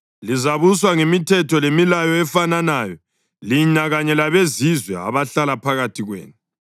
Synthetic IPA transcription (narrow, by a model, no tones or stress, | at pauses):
lizaβuswaŋemitʰɛtʰɔlemilajɔɛfananaːjɔ | liɲaɣaɲɛlaβezizwɛa̰βaɬalapʰaɣatʰiɣwḛːnu